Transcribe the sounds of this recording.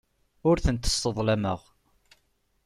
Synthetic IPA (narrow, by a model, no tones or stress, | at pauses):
ʊɾθənt̪ə̥sːəðˤlæmə̰ʁ